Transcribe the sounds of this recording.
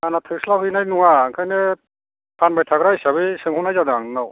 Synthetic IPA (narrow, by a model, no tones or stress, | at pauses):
anat̪ʰɯslaɦɯjnajnuŋaŋkʰajnɛ | pʰanbajtʰaɡɾaisaβisɯŋhunajzad̪aŋnaw